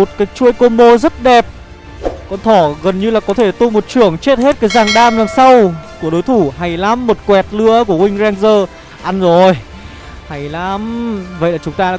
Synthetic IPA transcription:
o˨˩t̚kaː˨˦jt͡ɕu˧əjko˧mo˧zə˦˥t̚ɗɛ˨˩p̚ | kɔ˨˦nt̪ʰɔ˧˩ɣə˨˩nɲɨ˧laː˨˩kɔ˨˦t̪ʰe˧˩t̪u˧mo˨˩t̚t͡ɕɨ˧˩əŋt͡ɕe˦˥t̚he˦˥t̚kaː˨˦jzaː˨˩ŋɗaː˧mzaː˨˩ŋsa˧wku˧˩əɗo˨˦jt̪ʰu˧˩ha˨˩jlaː˨˦mːo˨˩t̚kwɛ˨˩t̚lɨ˧˥əku˧˩əkwï˧ŋ̟zɛ˧ŋzəː˧ | ʔa˧nzo˨˩j | ha˨˩jla˨˦mvə̰˧˨jlaː˨˩t͡ɕʊ˨˦ŋ͡mt̪aː˧laː˨

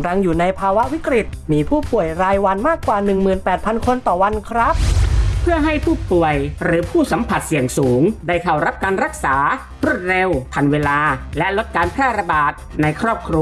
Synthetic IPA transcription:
ɾa˧ŋjuː˨˩na˧jpʰaː˧wa˦˥ʔwi˦˥kɾi˨˩t̪̚miː˧pʰuː˥˩pu˨˩əjɾaː˧jwa˧nmaː˥˩kːwaː˨˩nɯ˨˩ŋmɯː˨˩npɛː˨˩t̪̚pʰa˧nkʰo˧nt̪ɔː˨˩wa˧nkʰɾa˦˥p̚pʰɯ˥˩əɦa˥˩jpʰuː˥˩pu˨˩əjɾɯː˩˦pʰuː˥˩sa˩˦mpʰa˨˩t̪̚si˨˩əŋsuː˩˦ŋda˥˩jkʰa˨˩wɾa˦˥p̚kaː˧nɾa˦˥k̚saː˩˦ | ɾu˥˩ət̪̚ɾe˧wpʰa˧nweː˧laː˧lɛ˦˥ʔlo˦˥t̪̚kaː˧npʰɾɛː˥˩ɾa˧baː˨˩t̪̚na˧jkʰɾɔː˥˩p̚kʰɾu˧

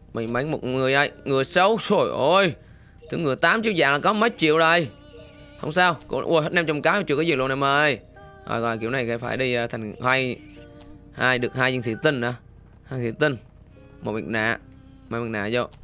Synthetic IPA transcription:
mï˨˩ŋma˨˦jŋ̟mo˨t̚ŋɨ˨˩əjʔə˧˩jŋɨ˨˩əjsə˨˦wso˧˩jʔo˧˩j | t̪ʰɨ̰˨˧˦ŋɨ˨˩əjt̪aː˨˦mt͡ɕḭ˧˨əwzaː˧˩ŋlaː˨˩kɔ˨˦mə˨˦˥j̚t͡ɕḭ˧˨əwɗə˨˩j | hə̰˧wŋ͡msaː˧wkʊ̰˧˥ʔṵ˧˨jhə˦˥t̚nɛ˧ŋ͡mt͡ɕɔ˧wŋ͡mkaː˨˦˧t͡ɕɨː˧˨kːə˨˦zi˨˩˨l̰na˨jməː˨˩j | ɣɔ̰˧˨jɣɔ̰˧˨ki˧˩əwna˨˩jka̰˧˩˦faː˧˩jɗi˧t̪ʰa˨˩jŋ̟haː˧j | haː˧jɗɨ˨˩ək̚haː˧jzi˧˨t̪i˧˨˩t̪ï˧ŋ̟ʔa˨˧˦ | haː˧jt̪ʰi˧˩˦wt̪i˧ŋ | mo̰˨˩t̚mḭ˨˩ŋna̰ː˧˨ | ma˨˦mi˨˩na̰ː˧˨zo˧˩

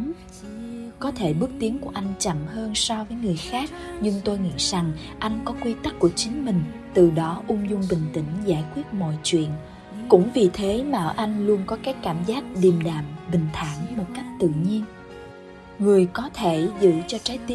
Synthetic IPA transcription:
kɔ˨˦t̪ʰe˧˩ɓɨ˦˥ək̚t̪i˨˦əŋku˧˩əʔa˧jŋ̟t͡ɕa̰˧˨mhəː˧nsɔ˧vəː˨˦jŋɨ˨˩əjxaː˦˥k̚ɲɨ˧ŋt̪o˧jŋḭ˧˨za˨˩ŋ | ʔa˧jŋ̟kɔ˨˦kwi˧t̪ə˦˥k̚kːu˧˩ət͡ɕï˨˦ŋ̟mï˨˩ŋ̟t̪ɨ˨˩ɗɔ˨˦ʔʊ˧ŋ͡mzʊ˧ŋ͡mɓï˨˩ŋ̟t̪ï˧˩ŋ̟zaː˧˩jkwi˦˥ət̚mɔ̰˧˨jt͡ɕwḭ˧˨ən | kʊ̰˧˥ŋ͡mvi˨˩t̪ʰe˨˦maː˨˩ʔə˨˩ʔa˧jŋ̟lu˧ənkɔ˨˦kaː˨˦jkaː˧˩mzaː˦˥t̚ɗi˨˩əmɗaː˨˩mɓï˨˩ŋ̟t̪ʰa̰ː˧˩ŋmo˨˩t̚ka˦˥jk̟̚t̪ɨ̰˧˨ɲi˧ən | ŋɨ˨˩əjkɔ˨˦t̪ʰe˧˩zɨ̰˧˨t͡ɕɔ˧t͡ɕaː˨˦jt̪

